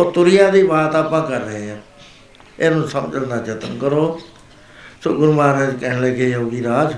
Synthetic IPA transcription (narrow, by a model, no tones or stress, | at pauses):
oːt̪ʊɾɪjaːd̪iːbaːt̪aːpãːkəɾːəɦẽːãː | eːnũːsəmd͡ʒəlnaːd͡ʒət̪ənkəɾoː | soɡʊɾmaːɾə̃ːd͡ʒkɛːnleːkeoːɡiːɾaːd͡ʒ